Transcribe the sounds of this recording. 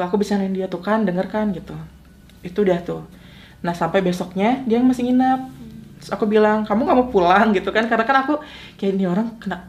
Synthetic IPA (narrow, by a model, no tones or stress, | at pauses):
akubisanaɪndiat̪ukandəŋərkanɡit̪u | it̪uːdaht̪u | nahsampajbesɔk̚ɲaɡaaŋmasɪŋinap̚ | sakubilaŋkamuŋamupulaŋɡit̪ukankarənakanaku | kajaʔnioɾaŋkəna